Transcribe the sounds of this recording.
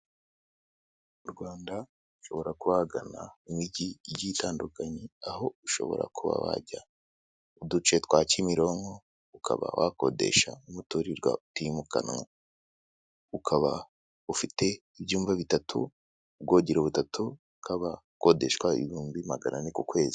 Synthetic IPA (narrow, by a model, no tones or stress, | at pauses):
uɾɡwaːnda | uʃo̞βo̞ɾakuβaɡana̰imiɟijitaːndukaɲeaɦo̞uʃo̞̰βo̞̰ɾa̰kuβa̰wa̰ɟa | udut͡ʃetwacimiɾo̞ːŋɡo̞ | ukʰa̰βa̰wa̰ko̞de̞̰ʃaumutuɾiɾɡwa̰utimuka̰nŋa | ukʰaβa | ufite̞ | ibjuːmvaβitatʰṵ | b̚ɡoɟiɾoβutatʰu | kʰaβa | ko̞de̞ʃkwaḭhuːmbimaɡananikukwe̞ːzi